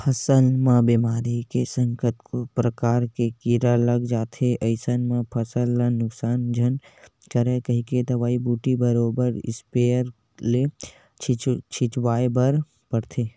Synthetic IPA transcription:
pʰɐsəlmãbiːmaːɾikesə̃ŋkət̪kopɾəkaːɾkekiɾaləɡd͡ʒaːt̪ʰeʔɐɪsənmãpʰəsəlːanʊksaːnd͡ʒʱən | kəɾekɐɦĩked̪ɐʋaːibuːʈibəɾoːbəɾɪ̰speːəɾ | le | t͡ʃʰt͡ʃʰɪt͡ʃwaːebəɾ | pəɽt̪ʰeː

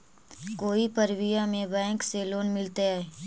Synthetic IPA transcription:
koːipəɾwɪjamẽbɛ̃ːŋkseloːnmɪlt̪eaːeː

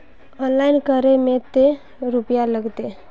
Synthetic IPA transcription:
ɔːnlaːɪnkəɾemẽt̪e | ɾʊpjaləɡt̪e

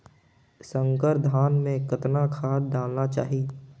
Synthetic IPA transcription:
sə̃ŋkəɾd̪ʱaːnmẽkət̪nakʰaːd̪̚d̪aːlnat͡ʃa̰ːɦi

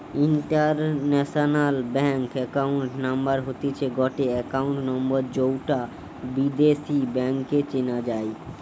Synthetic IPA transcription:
iɳʈaɾnɛʃonalbɛŋkɛkawɳʈnambaɾɦot̪et͡ɕʰeɡɔʈeɛkauɳʈnɔmboɾd͡ʑowʈa | bid̪eʃibɛŋket͡ɕinad͡ʑae

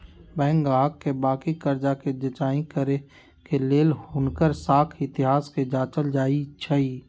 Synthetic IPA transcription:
bɛ̃ːŋɡaːɦəkːebaːkikəɾd͡ʒaked͡ʒɐt͡ʃaːĩkəɾe | keleːlhʊnkəɾsaːkʰɪt̪ɪɦaːsked͡ʒaːt͡ʃəld͡ʒaːit͡ʃʰəiː

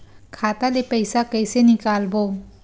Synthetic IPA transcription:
kʰatalepejsakəjsenikalbɔ

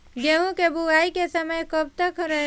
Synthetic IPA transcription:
ɡeɦũkebʱuaːikesɐməjkɐb̚t̪əkɾɐ

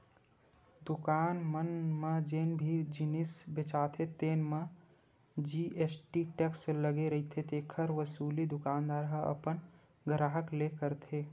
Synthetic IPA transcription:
d̪ʊkaːnmənmed͡ʒeːnbʱid͡ʒɪnisbɪt͡ʃaːt̪ʰet̪eːnme | d͡ʒiʔesʈiʈeksləɡeɾəɦit̪ʰet̪eːkʰəɾʋəsuːlid̪ʊkaːnd̪aːɾɦaə̰pən | ɡʱəɾaːɦəklekəɾt̪ʰe

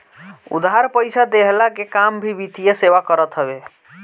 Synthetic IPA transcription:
ṵd̪ɦaɾpəjsad̪eɦlakekambʱibit̪ijeseʋakəɾət̪ɦəbe

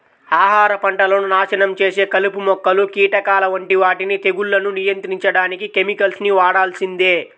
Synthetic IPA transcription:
aːɦaːɾɐpɐɳʈɐlɐnunaːʃɐnɐmt͡ʃe̞ːse̞ːkɐlupumɔkːɐlukiːʈɐkaːlɐʋɐɳʈiʋaːʈinit̪e̞ɡuɭːɐnunijɐnt̪ɾiɲt͡ʃɐɽaːnikike̞mikɐlsniʋaːɽaːlsind̪eː

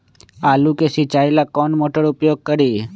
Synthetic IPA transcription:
alukeʃit͡ʃailakɔnmoʈəɽupjoɡ̚kəɾi

